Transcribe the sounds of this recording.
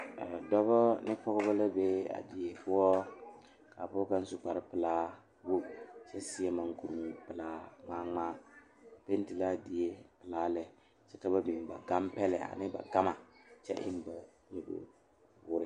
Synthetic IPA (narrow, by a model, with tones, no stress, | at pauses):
a˨dɔ˦bɔ˦nɪ˦pɔ˦ɣʊ˦ba˦la˦be˦a̰˨di˨e˨pʊ˦wɔ˦ | ka˨pʊ˦ɔ˦ka˦n˦sʊ˦k͡pa˨ɾɪ˦pɨ˨laː˦ | wo˦t͡ʃɛ˦si˦ɛ˦ma˨ŋku˨ɾŋu˨pɨ˨laː˦maː˦ŋ͡maː˦˨ | pe˦n˦ti˨la˦˨di˨e˦pɨ˨laː˦lɛ˨ | t͡ʃɛ˦ta˦ba˦di˨ba̰˨ɡa˦mpɛ˦lɛ˨ʔa̰˨nɪ˦ba̰˨ɡa˦ma˨t͡ʃɛ̰˦ʔɪ̰˦m˨ba˨ | ɲe˨bo̰˨ | wʊ˦ɾɪ˦